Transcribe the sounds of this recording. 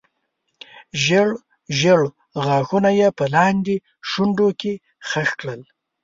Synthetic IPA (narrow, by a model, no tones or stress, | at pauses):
ʒəɽ | ʒəɽ | ɣɑxunajepəlɑnd̪e | ʃuɳɖoke | xəxkɽəl